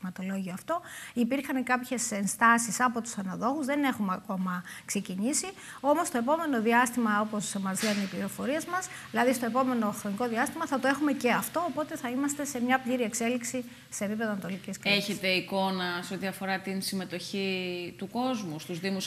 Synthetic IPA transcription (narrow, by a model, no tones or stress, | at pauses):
mɐt̪o̞lo̞ʝioɐft̪o̞ipiɾxɐnkɐpçe̞se̞nst̪ɐsisɐpo̞t̪u̥sɐnɐðo̞ɣuzðene̞xumeɐko̞mɐkse̞ciɲisi | o̞mo̞st̪oe̞po̞me̞no̞ðiɐst̪imɐo̞po̞semɐɾziɐnipliɾo̞fo̞ɾiezmɐsðilɐðist̪o̞e̞po̞me̞no̞xɾo̞niko̞ðiɐst̪imɐθɐt̪o̞e̞xume̞ce̞ɐft̪o̞ːpo̞t̪e̞θɐimɐst̪e̞se̞mɲɐpʎiɾie̞kse̞liksi | se̞ːpipe̞ðoɐnɐt̪oliciskeçe̞t̪e̞iko̞nɐseo̞t̪iɐfo̞ɾɐt̪insime̞t̪o̞çit̪uko̞zmust̪uzðimus